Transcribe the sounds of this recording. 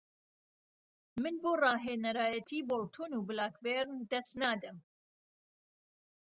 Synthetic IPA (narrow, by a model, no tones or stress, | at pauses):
mɨnboːrɑːɦeːnɐɾaːjɐt̪ʰiːbolˠt̪ʰonubɨlaːkbeɾnd̪ɐst̪naːd̪ɨm